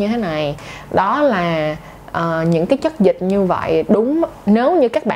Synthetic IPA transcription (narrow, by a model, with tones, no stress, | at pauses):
ɨ˧t̪ʰe˨˦na˨˩jɗɔ˨˦laː˨˩ | ʔəː˨˩ɲɨ̰˧˥ŋkaː˨˦jt͡ɕə˦˥t̚zï˨˩k̟̚ɲɨ˧və̰˧˨jɗʊ˨˦ŋ͡mne˨˦wɲɨ˧kaː˦˥k̚ɓa̰ː